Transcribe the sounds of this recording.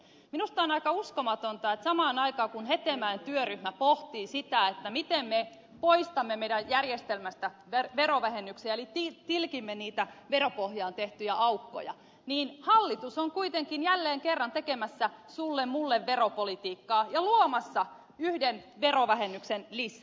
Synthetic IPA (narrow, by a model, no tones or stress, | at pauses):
minust̪ɑːnɑikɑuskomɑt̪ont̪ɑet̪sɑmɑːnɑikɑːkunhet̪emæint̪yøryhmæpoht̪iːsit̪æet̪ːæmit̪emme | poist̪ɑmːemeidæjjærjest̪elmæst̪æʋeʋeroʋæhenːyksiæelit̪it̪ilkimːeniːt̪æʋeropohjɑːnt̪eht̪yjæʔɑukːo̰jɑ̰ | niːnhɑlːit̪usoŋkuit̪eŋkinjælːeːŋkerːɑnt̪ekemæsːæsulːemmulːeʋʋeɾopolit̪iːkːɑːjɑluomɑsːɑ | yhdenʋeroʋæhenːyksenlisːæ